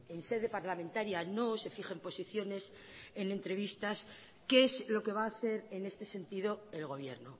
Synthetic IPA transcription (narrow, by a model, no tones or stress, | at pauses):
e̞nse̞ð̞e̞paɾlamẽ̞nt̪aɾjano̞se̞fixempo̞siθjo̞ne̞s | e̞ne̞nt̪ɾe̞β̞ist̪as | keezlo̞ke̞βaːθe̞ɾene̞st̪e̞se̞nt̪ið̞o̞e̞lɣ̞o̞βje̞ɾno